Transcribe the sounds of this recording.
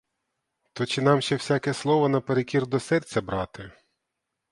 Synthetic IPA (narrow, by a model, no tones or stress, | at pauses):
t̪ɔt͡ʃɪnɑmʃt͡ʃɛwsʲakɛslˠɔʋɐnɐpeɾekʲird̪ɔsɛrt͡sʲɐbɾɑt̪ɪ